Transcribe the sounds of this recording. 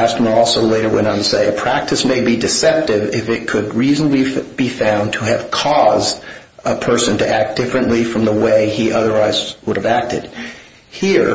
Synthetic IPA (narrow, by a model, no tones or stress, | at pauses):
æstmə˞ɔlˠsoʊleɪɾə˞wɛ̰̃nə̃ntɨseɪɨpʰɹ̥æk̚tɨsmeɪbidɨsɛp̚tɪvɪfɪt̚kʰɨd̚ɹiznəblib̥ifãʊ̃ntʰəɨv̥kʰɔzd | əpʰɜ˞sɨ̃ntɨʔæk̚d̥ɪfɹɨ̃nʔlifɹʌ̃mðəweɪiʔʌðə˞waɪzwʊɾɨvæk̚tɨ̰d̥ | hiɹ